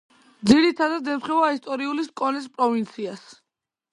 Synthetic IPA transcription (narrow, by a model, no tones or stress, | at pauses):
d̪ziɾit̪ʰad̪ad̪ɛmχɛvaist̪ʼɔɾiuliskʼɔnɛspʼɾɔvint̪sʰias